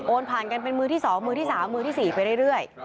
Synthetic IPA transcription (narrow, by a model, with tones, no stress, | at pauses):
ʔoː˧npʰaː˨˩nka˧npe˧nmɯː˧t̪ʰiː˥˩sɔː˩˦ŋmɯː˧t̪ʰiː˥˩saː˩˦mːɯː˧t̪ʰiː˥˩siː˨˩pa˧jɾɯ˥˩jɾɯ˥˩əj